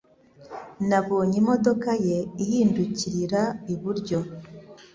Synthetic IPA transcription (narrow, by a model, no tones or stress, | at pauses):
naβoːɲimo̞do̞kaje̞ihiːnduciɾiɾaiβuɾɟo̞